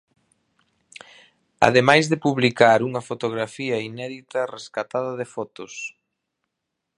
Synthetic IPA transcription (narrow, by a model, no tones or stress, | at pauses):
a̰ðemajzðepuβlikaɾuŋɐfot̪oɣ̞ɾafiɐinɛðit̪ɐreskat̪aðɐðefɔt̪ʊs